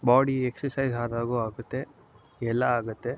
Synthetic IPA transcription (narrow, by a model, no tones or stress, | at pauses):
baːɽieksɐɾsɐjzɦaːɾaːɡuːaːɡut̪ːe̞ | ɛlːɐaːɡut̪ːe̞